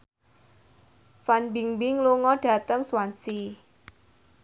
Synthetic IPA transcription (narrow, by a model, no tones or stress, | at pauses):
fanbiŋbɪŋluŋɔɖ̥a̤t̪əŋswansi